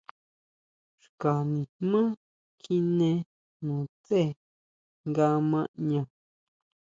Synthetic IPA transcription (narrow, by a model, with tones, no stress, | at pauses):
ʂka˨nĩ˨mã˦ | kʰi˦nẽ˧ | nũ˨t͡se˦˨ | ŋɡa˧˦mã˧ʔɲã˧˨